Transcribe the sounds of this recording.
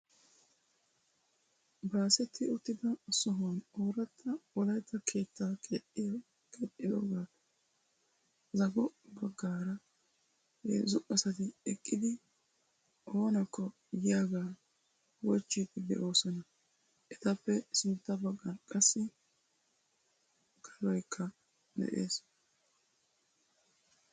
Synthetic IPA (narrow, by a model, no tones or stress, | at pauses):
baːsɛt̪ʰːɪʊt̪ːɪd̪ɐsɔɦwɐno̞ːɾɐt̪ʰːɐwɔlɐjt̪ːɐkʰe̞ːt̪ːaːke | kʰeːt̪ʼːɪd̪o̰ːɡaːt̪ɐ̥ | zɐɡɔbɐɡːaːɾɐ | hḛːzʊʔʼɐsɐt̪ɪɛkʼːɪd̪ɪ | ʔo̞ːnɐkːɔ | jɪjaːɡaː | wɔt͡ʃːit̪ːɪd̪ɛ̰ʔo̞ːsɔnɐ | ʔɛt̪ɐpːɛsɪnt̪ːɐbɐɡːɐnkʼɐsːɪ | kʰʼɐlɔjkʰːɐ | mɛ̰ʔḛːs